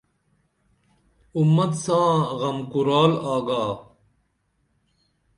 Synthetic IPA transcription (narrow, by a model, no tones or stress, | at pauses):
umːɐt̪sãːɣɐmkuɾaːlaːɡaː